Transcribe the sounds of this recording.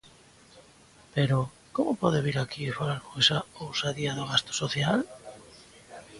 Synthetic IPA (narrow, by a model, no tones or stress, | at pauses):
peɾʊ | komʊpɔðɪβiɾakifalaɾkojsaowsaðiaðoɣast̪o̥soθjal